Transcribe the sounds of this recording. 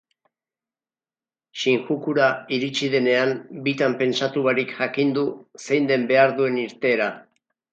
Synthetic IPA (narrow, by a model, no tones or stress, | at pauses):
ʃiŋxukuɾaiɾit͡ʃiðe̞ne̞ambit̪ampe̞nsat̪uβaɾikʝakind̪use̞jnd̪e̞mbe̞aɾðue̞niɾt̪e̞ːɾa